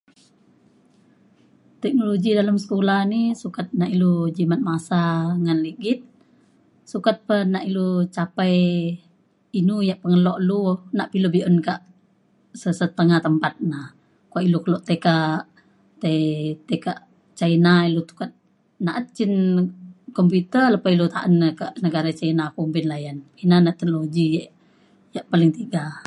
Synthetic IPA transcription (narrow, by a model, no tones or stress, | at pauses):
t̪ɛk̚noloɡidalamsə̥kolahnisukat̪̚naʔilud͡ʒimat̪̚masaŋanliɡit̪̚ | sukat̪̚pənaʔilut͡ʃapaj | inujaʔpəŋəlɔʔlunaʔpilubiʔənkaʔ | səsət̪əŋat̪əmpat̪̚nah | kuaʔilukəlɔʔt̪ekaʔ | t̪et̪ekaʔ | t͡ʃainailut̪u̥kat̪̚ | naʔət̪̚t͡ʃin | kɔmput̪ələpailut̪aʔənːəkaʔnəɡaɾat͡ʃainakumpinlajaninanaʔt̪əknoloɡiaʔ | jaʔpaliŋt̪iɡa